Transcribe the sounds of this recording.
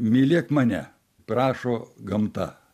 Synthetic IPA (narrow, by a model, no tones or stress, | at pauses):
mʲiːlʲeːkmɐnʲɛ̰ | prɑːʃoːɡɐmt̪ɐ̰